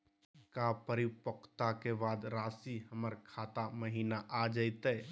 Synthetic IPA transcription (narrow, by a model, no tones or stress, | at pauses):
kapəɾipəkʰt̪akebad̪ɾasiɦəməɾkʰat̪aməɦinaʔad͡ʒəɪt̪ə